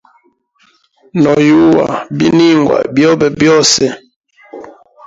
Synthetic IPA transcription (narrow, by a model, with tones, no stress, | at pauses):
nɔ˨ju˦wa̰˨bi˦ni˦ŋɡwa̰˨bjɔ˦bɛ˨bjɔ˦sɛ˦